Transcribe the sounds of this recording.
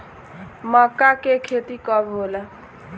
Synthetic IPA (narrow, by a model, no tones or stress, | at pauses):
məkːakekʰet̪ikəbʱɦola